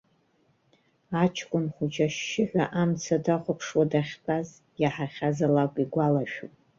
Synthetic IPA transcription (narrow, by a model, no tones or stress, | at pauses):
at͡ʃʰkʷʼʊnχʷʊt͡ʃʰaʃːɪħʷaʔamt͡sʰadaχʷʊpʰʂwadaχʲbʰʼaz | jaħaχʲazalakʷʼiɡʷalaʃᶣupʼ